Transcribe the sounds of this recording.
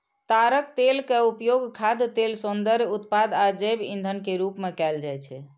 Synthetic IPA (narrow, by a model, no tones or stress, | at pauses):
t̪aɾək̚t̪elkeupjoɡkʰad̪t̪elsund̪əɾjut̪pad̪ad͡ʒebḭnd̪ʱənkeɾupmekɛld͡ʒajt͡ʃʰɛ